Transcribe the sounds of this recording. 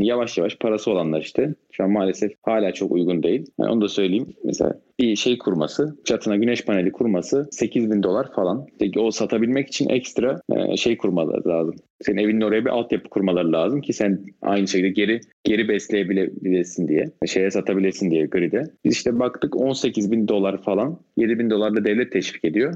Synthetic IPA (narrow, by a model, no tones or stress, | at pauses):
javaʃjavaʃpʰaɾasɯo̞lˠanlˠaɾiʃt̪ʰɛʃuammːaːlʲe̞sɛfhaːlʲaːt͡ʃʰo̞kṵjɡund̪e̞jilʲha̰ʔonud̪asø̞jlʲejimːɛ̰sḛla̰biʃejkʰuɾma̰sɯd͡ʒʰat̪ʰɯnaɟynɛʃpʰanelʲikʰuɾmasɯse̞cʰizbind̪o̞lˠaɾfalˠanʃt̪ʰɛo̞sat̪ʰabilʲmɛci̥t͡ʃʰinʔɛ̰cst̪ɾaɛ̰ʃe̞jkʰuɾmalˠa̰ɾɯ̰lˠaːzɯm | sennevinino̞ɾajabiʔalˠt̪ʰjapɯ̥kʰuɾmalˠaɾɯlˠaːzɯmcʰisæna̰jnɯʃecʰild̪ɛɟe̞ɾi | ɟ̥e̞ɾibɛslʲejebilʲebilʲiɾsind̪ijɛʃe̞jɛsat̪ʰabilʲiɾsind̪ijɛɟøɾid̪ɛb̥iziʃt̪ʰɛbakt̪ʰɯko̞nse̞cʰizbind̪o̞lˠaɾfalˠanje̞d̪ibind̪o̞lˠaɾd̪ˠad̪ɛvlʲɛt̪ʰːɛʃfi̥ːce̞d̪ijo̞